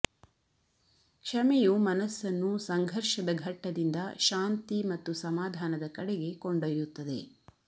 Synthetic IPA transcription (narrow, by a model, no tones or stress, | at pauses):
kʂɐmɛjumɐnɐsːɐnːusɐŋɡʱɐɾʃɐd̪ɐɡʱɐʈːɐd̪ind̪ɐʃaːnt̪imɐt̪ːusɐmaːd̪ʱaːnɐd̪ɐkɐɽeɡe̞koɳɖɐjut̪ːɐd̪e̞